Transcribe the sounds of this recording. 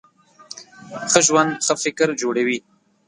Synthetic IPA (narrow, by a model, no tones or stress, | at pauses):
xəʒwand̪xəfɪkɾd͡ʒoɽawi